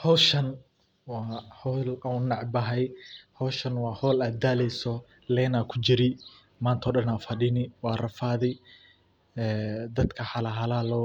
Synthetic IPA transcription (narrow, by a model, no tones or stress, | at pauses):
hɔwʃɐn | wɑːhɔlanːɑʕbɐɦɛjhɔwʃɐnwɑːhɔːlaːd̪aːlɛjsɔ | lɛːnaːkʰʊt͡ʃɪɾɪ | maːnt̪ʰɔːɗɐnaːfɐɗɪnɪwɑːrɐfaːðɪ | ɛːd̪ɐd̪kʰɐħɐlɐɦɐlaːlɔ